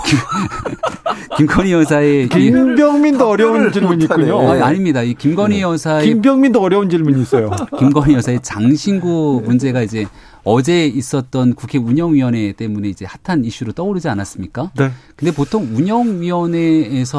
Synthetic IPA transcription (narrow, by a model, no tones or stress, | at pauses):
k | kimɡʌɲijʌsʰaeibjʌŋmindoʌɾjʌunt͡ɕiɭmuɲiːkuɲoaaɲimɲidaikimɡʌɲijʌsʰaembjʌŋmind̪oʌɾjʌund͡ʑiɭmuɲiːs͈ʌjokimɡʌɲijʌsʰae̞t͡ɕaŋɕʰinɡumund͡ʑe̞ɡaid͡ʑe̞ | ʌd͡ʑe̞is͈ʌt̚t͈ʌnkukʰe̞uɲʌŋɥiwʌne̞t͈e̞mune̞id͡ʑe̞hatʰaniɕ͈uɾot͈ʌoɾid͡ʑianas͈ɯmɲik͈anekɯnde̞p̬otʰoŋuɲʌŋɥiwʌne̞ːsʰʌ